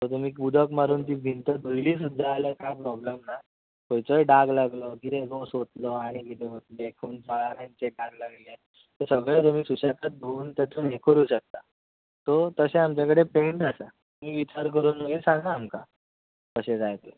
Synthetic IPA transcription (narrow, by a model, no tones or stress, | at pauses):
t̪ɔt̪̬um̤iːkbud̪ʱəkmaɾuːnt̪iːbʱint̪əbəjliːsud̪ʱːaːləkajpɾɔblemna | kojt͡sɔjɖaɡlaɡlɔkit̪eɡosot̪lɔaɽ̃ikit̪eɦot̪̚lekʰuːnd͡zaɭaɾãnt͡seɖaɡlaɡllie | t̪əɾsəɡɭet̪̬um̤iːsuɕakat̪̚d̪ʱouːnt̪at̪unekʰəɾuːɕək̚t̪a | t̪ɔt̪əseamt͡ɕakəɽepeɳʈasat̪umiːʋit͡ɕaɾkəɾunəkisãŋɡaːmka | kəɕed͡zajt̪e